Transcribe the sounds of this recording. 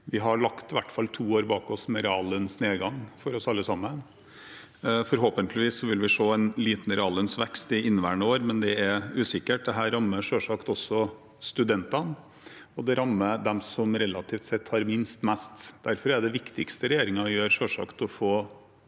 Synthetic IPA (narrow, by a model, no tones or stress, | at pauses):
ʋɪɦɑɭɑkt̪ʋæʈːfɑlt̪ʰuːoːɾbɑːkɔsmɛɾɛɑːlənsneːɡɑŋːfɔɾɔsɑlːəsɑmːən | fɔɾɦoːpənt̪ʰlɪʋiːsɔʋɪlʋɪʂoːænliːt̪n̩ɾɛɑːlənsʋɛkst̪ɪɪnːʋæ̰ːɳəoːɾmɛnd̪ɛæɾʉːsɪkːəʈ̚d̪ɛɦæːɾːɑmːəʂøːʂɑːkt̪ɔsːɔ | st̪ʉd̪ɛnt̪ɑn | ɔd̪ɛɾɑmːəd̪ɛmsɔmɾɛlɑt̪ʰiːft̪sɛt̪ːhɑɾmɪnst̪mæst̪d̪̥æɾfɔɾæɖɛʋɪkt̪ɪkst̪əɾɛjeːɾɪŋɑjøːɾʂøːʂɑ̰ːkt̪ɔfoː